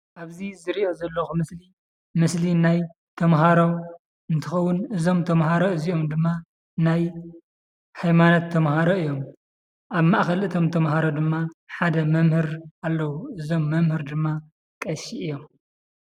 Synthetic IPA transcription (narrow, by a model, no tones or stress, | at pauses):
ʔaβzizɨɾiʔo̞zɐlːɐxumɨsli | mɨslinaj | t̪ʰɐmɦaɾo | ɨnt̪ʰɨxɐwːʊnɨzo̞mt̪ʰɐmɦaɾoɨziomd̪ɨmːa | naj | hajmanɐt̪ʰːɐmhaɾoɨjːo̞m | ʔaβmaʔxɐlʔɨt̪ʰo̞mt̪ʰɐmɦaɾod̪ɨmːaħad̪ɐmɐmhɨɾʔalːɐwuʔɨzo̞mːɐmhɨɾd̪ɨmːa | kʼɐʃiʔɨjːo̞m